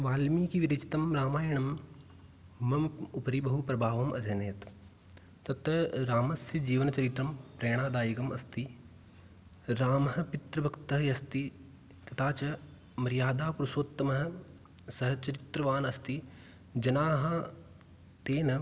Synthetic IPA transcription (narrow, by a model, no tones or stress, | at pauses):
ʋaːlmiːkiʋiɾɐt͡ʃi̥t̪ɐmɾaːmaːjɐɳ̃ɐm | ɐmupɐɾibɐɦupɾɐbʱaːʋɐmʔɐ̰d͡ʒɐneːt̪ | t̪ɐt̪ɐɾaːmɐsjɐd͡ʒiːʋɐnɐt͡ʃɐɾit̪ɾɐmpɾeːɽ̃aːd̪aːjiɡɐmɐst̪i | ɾaːmɐɦɐ̆pɪt̪ɾɐbʱɐkt̪ɐɦɐjɐst̪i | t̪ɐt̪ʰaːt͡ʃɐ | mɐɾijaːd̪aːpuɾɐsoːt̪ːɐmɐɦɐ̆ | sɐɦɐt͡ʃɐɾɪt̪ɾɐʋaːnɐst̪i | d͡ʒɐnaːɦa | t̪eːnɐ